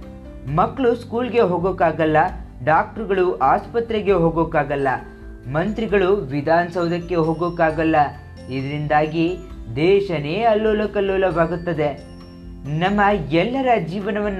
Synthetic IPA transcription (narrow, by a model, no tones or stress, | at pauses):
mɐkːɭuskuːlɡe̞ɦoːɡoːkaːɡɐlːɐ | ɖaːk̚ʈɐɾɡɐɭuʔaːspɐt̪ɾeɡe̞ɦoːɡoːkaːɡɐlːɐ | mɐnt̪ɾiɡɐɭuʋid̪ʱaːnɐsɐʋud̪ɐkːe̞ɦoːɡoːkaːɡɐlːɐ | id̪ɐɾind̪aːɡid̪ɛːʃɐneːɐlːoːlɐkɐlːoːlɐʋaːɡut̪ːɐd̪e̞ | nɐmːɐɛlːɐɾɐd͡ʒiːʋɐnɐʋɐnː